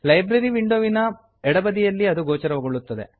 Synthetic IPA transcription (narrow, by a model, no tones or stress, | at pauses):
lɐjbɾɐɾiʋiɳɖoːʋinɐ | ɛɽɐbɐd̪ijɐlːiɐd̪uɡoːt͡ʃɐɾɐʋɐɡoɭːut̪ːɐd̪e̞̰